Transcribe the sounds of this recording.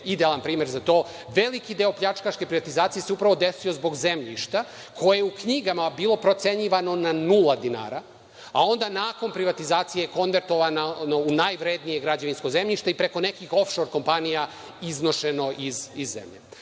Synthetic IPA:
id̪ealˠanpɾiːmeɾzat̪o̞ː | ʋe̞likid̪eo̞pʎat͡ʃkaʃke̞pɾiʋat̪izaːt̪sijeseupɾaʋo̞d̪e̞sio̞zbo̞ɡzemʎḭʃt̪a | kʰo̞jejeukɲiɡamabiːlˠo̞pɾo̞t̪se̞ɲiʋano̞nanulˠad̪ina̰ːɾa | a̰o̞nd̪anaːko̞npɾiʋat̪izaːt̪sijeko̞nʋe̞ɾt̪oʋanano̞unajʋɾeːd̪nijeɡɾad͡ʑaʋinsko̞ze̞mʎiʃt̪eipɾeko̞ne̞kixo̞fʃo̞ɾko̞mpanija | izno̞ʃe̞no̞ʔizizːḛmʎḛ

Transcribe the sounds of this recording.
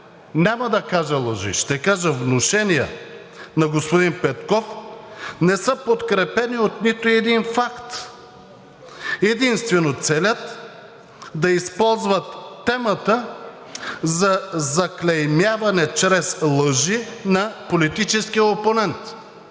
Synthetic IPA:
nʲamɐd̪ɐkaʒɐlˠəʒḭʃt̪ɛkaʒəvnoʃɛniɛ̰ | nɐɡospod̪inpɛt̪kɔf | nɛsəpot̪kɾɛpɛniot̪nit̪ʊɛd̪infakt̪ | ɛd̪inst̪vɛnot̪sɛlʲət̪ | d̪ɐispɔlˠzvɐt̪ːɛmɐt̪ə | zɐzɐklʲɛjmjavɐnɛt͡ʃɾɛslˠəʒinɐpolit̪it͡ʃɛskiəoponɛnt̪

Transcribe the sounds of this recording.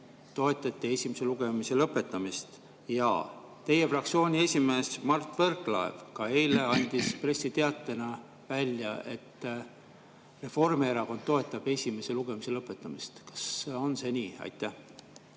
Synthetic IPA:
t̪o̞e̞t̪ːˑɑt̪ːˑie̞sʲimese̞luɡ̥e̞mise̞lɤpːˑe̞t̪ːˑɑmist̪ | jɑ̰ | t̪e̞je̞frɑk̚t̪sio̞ːnʲie̞sʲime̞ːsmɑrt̪ːˑverklɑḛvkɑe̞jle̞ɑnʲd̪̥ispre̞sːit̪e̞ɑt̪ːˑe̞nɑ | vælʲjɑ̰ʔe̞̰t̪ː | re̞fo̞rmeɾɑko̞nd̪̥t̪ːo̞e̞t̪ːˑɑb̥e̞sʲime̞se̞luɡ̥e̞mise̞lɤpːˑe̞t̪ːˑɑmist̪kɑ̥sːeo̞nse̞nʲiːɑ̰jt̪ːˑæh

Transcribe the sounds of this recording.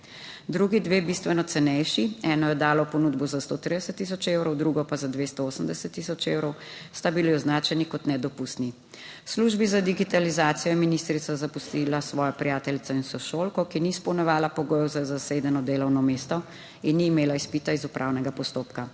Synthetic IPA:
d̪ɾuɡid̪ʋebist̪ʋɛnɔt̪sɛnɛjʃiɛːnɔjɛd̪aːlɔpɔnuːd̪bɔzast̪oːt̪ɾid̪ɛsət̪ːis̬ɔt͡ʃewɾɔwd̪ɾuɡɔpazad̪ʋest̪ɔoːsəmd̪ɛsɛt̪ːisɔt͡ʃewɾɔwst̪abiliɔznaːt͡ʃɛnikɔt̪nɛd̪ɔpust̪ni | sluʒbizad̪iɡit̪alizaːt̪sijɔjɛminist̪ɾit̪azapust̪ilasʋɔːjɔpɾijaːt̪ɛlit̪sainsɔʃoːlkɔkiniːspɔwnɛʋaːlapɔɡoːjɛwzazaseːd̪ɛnɔd̪eːlɔwnɔmeːst̪ɔ | inːiːmeːlaispit̪aizupɾʔawnɛɡapɔst̪oːpka

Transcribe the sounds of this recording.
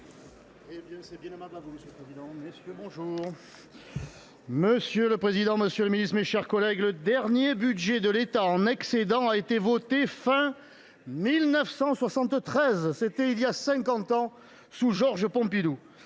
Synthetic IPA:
ebjɛ̃sɛbjɛ̃nemablavuməsjələpχezid̪ɑ̃məsjøbɔ̃ʒuːʁ | məsjøləpχezid̪ɑ̃məsjøləminist̪meʃɛʁkɔlɛɡləd̪ɛʁnjebyd̪ʒed̪əlet̪aɑ̃naksed̪ɑ̃aet̪evɔt̪efɛ̃ | milnəfsɑ̃swasɑ̃t̪t̪χɛzset̪ɛiljasɛ̃kɑ̃t̪ɑ̃ | suʒɔʁʒəpɔ̃pid̪u

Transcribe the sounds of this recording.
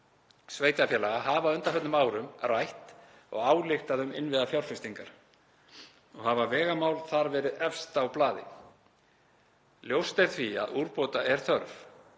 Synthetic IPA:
sveːjt̪afjɛːlaɣahaːvaʏnt̪aɦœt̪nmaːwɾʏmrajht̪ | ɔ̰ɣaːwlɪxt̪aðʏmɪnvɪðafjawlfɪst̪iŋkaɾ̥ | ɔɣhavavɛːɣamaːwlθaɾvɛːɾɪðɛfst̪awplaːðɪ̰ | ljowst̪eɾ̥θvia̰ðuɾpoːt̪aʔɛɾ̥θœɾv

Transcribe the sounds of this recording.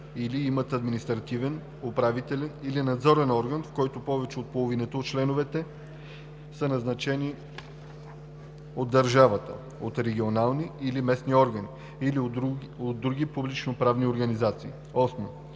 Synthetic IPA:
iliimət̪ɐd̪minist̪ɾɐt̪ivɛn | opɾavit̪ɛlɛnilinɐd̪zɔɾɛnɔɾɡənfkɔjt̪opɔvɛt͡ʃɛot̪̚polˠovinɛt̪oot̪̚t͡ʃlɛnovɛt̪ɛ | sənɐznɐt͡ʃɛni | od̪ːɐɾʒavət̪ə̰ | ot̪ɾɛɡʲionalˠniilimɛsniɔɾɡɐni | iliod̪d̪ːɾuɡipublit͡ʃnopɾavnioɾɡɐnizat̪siː | ɔsno

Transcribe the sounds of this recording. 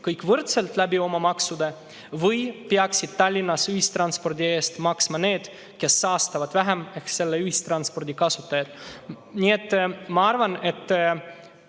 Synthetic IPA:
kɤjkːˑvɤɾt̪selt̪læbio̞mɑmɑksud̪e | vɤjpeɑksid̪̥̚t̪ɑlʲːinːɑsyhist̪rɑnspo̞rd̪ʲie̞ːst̪mɑksmɑne̞ːd̪̥ | ke̞sːɑːst̪ɑvɑd̪̥væɦæmehkse̞lːeyhist̪rɑnt̪spo̞rd̪̥ʲikɑsut̪ːˑɑjɑd̪̥ | nʲie̞t̪ːˑmɑɑrvɑne̞t̪ː

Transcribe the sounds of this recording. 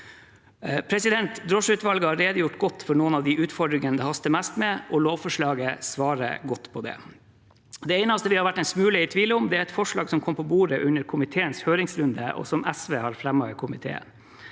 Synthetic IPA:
pʰɾɛsɪd̪ɛnt̪d̪ɾɔʂʉːt̪ʋɑlɡəhɑɾeːd̪əjʊʈɡɔt̪ːfɔɳuːənɑʋd̪iʔʉːt̪fɔɖɾɪŋənd̪ɛhɑst̪əmæst̪mɛʔɔloːʋfɔʂɭɑːɡəsʋɑːɾə̰ɡɔt̪ːpʰɔd̪ɛ̰ | d̪ɛɛɪnɑst̪əʋɪhɑɾʋæʈːɛɪnsmʉːləɪt̪ʰʋiːləʊmd̪ɛæɾɛt̪fɔʂɭɑːɡsɔmkʰɔmpʰɔbuːɾəʔʉnːəɾkʰʊmɪt̪ʰeːənshøːɾɪŋsɾʉnd̪əʔɔ̰sɔmæsʋeːhɑɾfɾɛmːɑʋɪkʰʊmɪt̪ʰḛːə̰

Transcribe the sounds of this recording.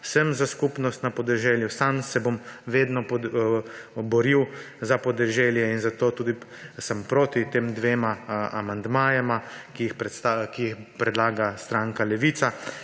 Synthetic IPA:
wsəmzaskupnɔst̪napɔd̪ɛʒɛljusamsɛbomʋeːd̪nɔp | bɔɾiw | zapɔd̪ɛʒɛljɛinzat̪oːt̪uːd̪i | səmpɾoːt̪it̪eːmd̪ʋeːmaa̰mand̪maːjɛmakijixpɛt̪st̪akiixpɾɛd̪laːɡast̪ɾaːŋkalɛʋiːt̪sa

